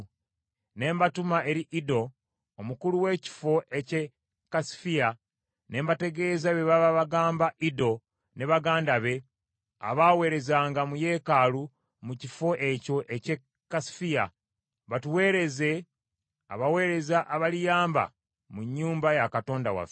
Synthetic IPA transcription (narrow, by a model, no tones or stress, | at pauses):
ne̞ːmbatumae̞ɾiʔido̞ː | mukuluwe̞ːci̥fo̞ʔe̞ce | kːasi̥fija | ne̞ːmbate̞ɡe̞ːzaβeβaβaβaɡaːmbaʔido̞ | ne̞βaɡaːndaβe̞ | a̰βawe̞ːɾe̞zaːŋɡamuje̞ːkalu | mucifo̞ʔe̞co̞ʔece | kːasi̥fija | βatuwe̞ːɾe̞ze̞ | a̰βawe̞ːɾe̞zaʔaβalijaːmba̰ | muɲːuːmbajakato̞ːndawa̰fe